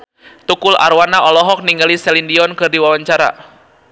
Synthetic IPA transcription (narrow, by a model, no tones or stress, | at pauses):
t̪ukula̰rwanaʔɔlɔɦɔk̚niŋɡalisɛlindiɔnkɨrdiwawaɲt͡ʃaɾa̰